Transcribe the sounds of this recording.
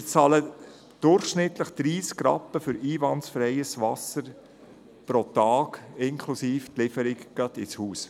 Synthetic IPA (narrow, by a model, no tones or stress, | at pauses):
ɪt͡sɑlə | d̥ʊɾχʃnɪt̪ləχd̪̥ɾiːskɾɑ̰pːəfʏɾiːvɑntsfɾɛɪəsʋɑsəɾ | pɾɔt̪ɑːkɪŋkʰlusiːft̪lɪfəɾɪkɡ̥ɑt̪ɪshuːs